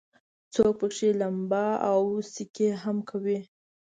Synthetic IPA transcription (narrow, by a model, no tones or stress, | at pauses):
t͡sok̚pəkʂelambɑawsikeɦamkʰawi